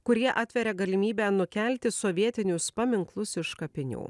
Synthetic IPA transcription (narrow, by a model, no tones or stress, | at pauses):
kʊɾʲiɛʔɑːt̪ʲʋʲɛɾʲɛɡɐlʲɪmʲiːbʲæːnʊkʲɛlʲt̪ʲɪsɔʋʲiɛt̪ʲɪnʲʊspɐmʲɪŋklˠʊsɪʃkɐpʲɪnʲṵː